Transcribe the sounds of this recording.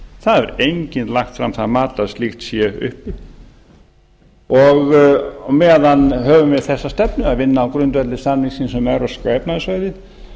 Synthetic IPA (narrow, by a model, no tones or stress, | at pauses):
θaðɛɾejɲcɪnt̪laxt̪fɾamθaðmaːt̪laðstlixt̪sjɛʏ̰hpɪ | ɔɣmɛːðanɦœːvʏmvɪðθɛsːast̪ɛpnʏaðvɪnːaːwkɾʏnt̪vɛt̪lɪst̪anːiŋsiːnsɛmɛɾɔskvɛːjpnaðɪsvœːɥðɪ